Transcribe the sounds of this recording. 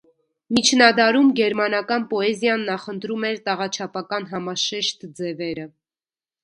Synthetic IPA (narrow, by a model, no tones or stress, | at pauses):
mit͡ʃʰnɑd̪ɑɾumɡɛɾmɑnɑkɑnpɔɛzjɑnːɑχənt̪ɾumɛɾt̪ɑʁɑt͡ʃʰɑpɑkɑnɦɑmɑʃɛʃt̪d͡zɛvɛɾə